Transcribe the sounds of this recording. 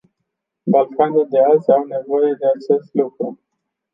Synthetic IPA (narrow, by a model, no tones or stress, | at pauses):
balkanild̪e̞azʲawne̞vo̞je̞d̪e̞at͡ʃe̞st̪lukɾu